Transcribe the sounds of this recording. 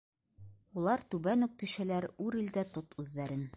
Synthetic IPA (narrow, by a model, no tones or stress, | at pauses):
ulˠɑɾt̪ʉbænʉk̚t̪ʉɕɘ̆læɾʉɾild̪æt̪ot̪ʉðːæɾɘn